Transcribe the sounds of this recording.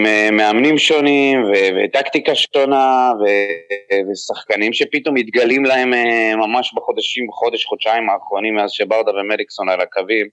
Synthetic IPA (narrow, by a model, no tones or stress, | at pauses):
memeamnimʃo̞nimvevḛt̪akt̪ikaʃonavevesaχkanimʃe̞pit̪o̞mit̪ɡalimlae̞memamaʃbaχo̞d̪aʃimbeχo̞d̪eʃχod̪ʃaimaːχʁo̞nimeazʃebaʁd̪avemelikso̞nalakavim